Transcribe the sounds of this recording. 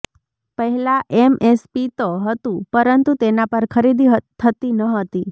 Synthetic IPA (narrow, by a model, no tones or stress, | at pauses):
pəɦɛlaʔemespit̪oɦət̪ũpəɾənt̪ut̪enapəɾkʰəɾid̪iɦt̪ʰːət̪inəɦət̪i